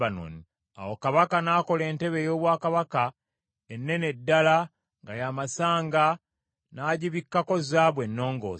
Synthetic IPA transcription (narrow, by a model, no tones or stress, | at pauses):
ano̰ni | a̰wokaβakanaːko̞le̞ːnte̞βe̞jo̞ːβwaːkaβaka | enːe̞nedːala | ŋɡajaːmasaːŋɡa | naːɟiβikːako̞zaːβwe̞nːo̞ːŋɡo̰ː